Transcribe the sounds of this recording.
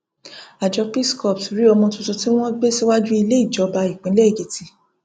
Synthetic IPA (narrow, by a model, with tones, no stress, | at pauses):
a˨d͡ʒɔ˧pi˦˨skɔ˨psɾi˦ɔ˧mɔ̃˧tu˧tu˧ti˦w̃ɔ̃˦ɡ͡be˦si˦wa˦d͡ʒu˦i˧le˦i˦˨d͡ʒɔ˨˧˦ba˧i˨k͡pĩ˨˦lɛ˦i˨ɡe˨˦ti˧